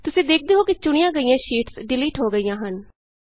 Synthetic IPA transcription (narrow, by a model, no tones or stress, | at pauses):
t̪ʊsĩːd̪eːk̚ʰd̪eːɦoːkɪt͡ʃʊɳijãːɡəijãːʃiːʈsɖɪliːʈɦoːɡəijãːɦən